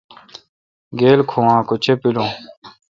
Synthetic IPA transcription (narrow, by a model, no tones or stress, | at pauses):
ɡeːlkʰõãːkʊt͡ɕʰepilõː